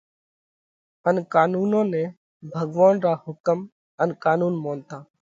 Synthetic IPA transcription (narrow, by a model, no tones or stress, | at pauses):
ənkaːnuːnõːnẽː | bʱəɡʋaːnɾaːhʊkəm | ənkaːnuːnmoːnt̪aː